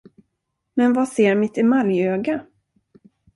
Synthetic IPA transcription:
mɛnvaseːɾmɪt̪ʰɪmaljøːɡa

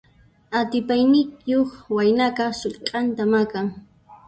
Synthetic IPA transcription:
at̪ɪpajnɪkjoχwajnakɑχsoʎqʼɑnt̪amakaŋ

